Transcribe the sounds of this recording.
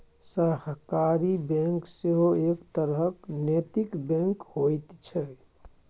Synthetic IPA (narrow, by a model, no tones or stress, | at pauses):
səɦkaɾibɛ̃ŋkseɦoekt̪əɾɦəknet̪ikbɛ̃ŋkhojt̪t͡ʃʰɛ